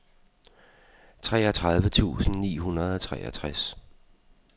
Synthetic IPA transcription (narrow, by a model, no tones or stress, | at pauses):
t͡sʰʁɛ̰ːɒt͡sʰʁäð̞ˠʋət͡sʰṵːsn̩nḭːɦunɐð̞ˠɒt͡sʰʁɛ̰ːʔɐt͡sʰʁas